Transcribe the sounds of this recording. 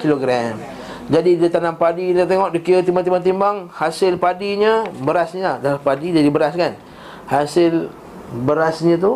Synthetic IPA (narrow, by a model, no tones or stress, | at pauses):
kiloɡɾɛm | d͡ʒadidət̪anampadiat̪eŋɔʔdikiət̪imbat̪imbat̪̬imbaŋhasɪlpadiɲəbəɾasɲəlahdalahpadidadibəɾaskan | hasɪl | bəɾasɲə̃t̪̬u